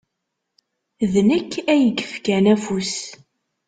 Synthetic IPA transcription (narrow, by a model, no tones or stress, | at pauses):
ðnəkːæjəɡə̥fkænæfus